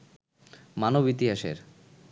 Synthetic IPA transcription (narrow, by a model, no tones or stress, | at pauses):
manobit̪iɦaʃḛɾ